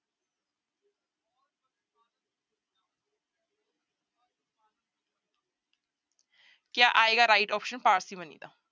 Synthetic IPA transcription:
kjaʔaːeɡaɾaiʈɔːpʃənpaːɾsibənḭːd̪a̰

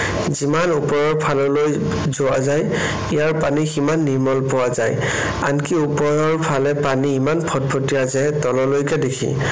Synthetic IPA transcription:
zimanupɔɹɔɹpʰalɔloj | zɔwazaj | ijaɹpaniximanːiɹmɔlpɔwazaj | a̰nkiupɔjɔɹpʰalɛpaniːmanpʰɔt̚pʰotijazɛtɔlɔlojkɛdekʰḭ

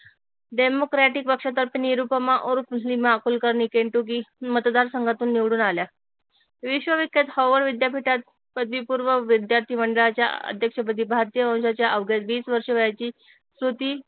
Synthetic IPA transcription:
ɖemokɾaʈik̚pəkʂat̪əɾpiniɾupəmaʔoɾflimakulkəɾɳiːkeɳʈukiːmət̪d̪aɾsəŋɡʱat̪uːnːiʋɽuːnalja | ʋiɕʋəʋikːjat̪hɔʋəɾʋid̪japiʈat̪̚ | pəd̪ʋipuɾʋəʋid̪jaɾt̪ʰiːməɳɖəɭat͡ɕja̰ə̰d̪ʱjəkʂəpət̪iːbʱaɾt̪ijəʋə̃w̃ɕat͡ɕjaʔəʋɡjat̪ʋiːt͡sʋəɾʂəʋəjat͡ɕiː | sut̪iː

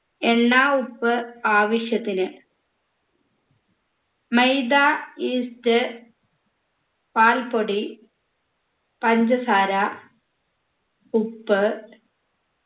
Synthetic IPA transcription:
enːaːupːɨaːʋɐʂjɐt̪ːinɨ | mejd̪aiːstɨ | paːlpoɽi | pɐnd͡ʑɐsaːɾɐ | upːɨ

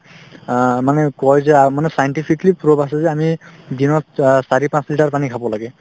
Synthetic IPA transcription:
manɛkɔjzɛamanɛsajntipʰiklipɹobasɛzɛamidinɔtsaɹipãnsliʈaɹpanikʰabɔlaɡɛ

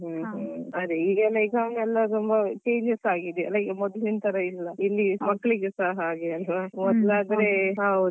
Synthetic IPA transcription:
ɦuɦɐɾeiːɡɛlːɐiɡɐwnɛlːɐt̪umbɐkeːɾjɐsaːɡid̪eɐ̰lːɐiɡmɔd̪lint̪ʰɐɾɐilːɐilːimɐkːɭiɡesaːɦɐaːɡeɐlʋamɔd̪laːd̪ɾeɦɐwd̪u

